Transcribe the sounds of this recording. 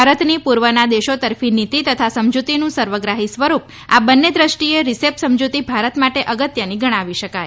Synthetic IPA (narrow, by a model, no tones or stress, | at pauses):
aɾət̪nipuɾʋənad̪eʃot̪əɾfinit̪it̪ət̪ʰasəmd͡ʒut̪inũsəɾʋəɡɾaɦisʋəɾup | abənːed̪ɾəʃʈieɾisepsəmd͡ʒut̪ibʱaɾət̪maʈeʔəɡət̪jəniɡəɽ̃ãʋiʃəkaj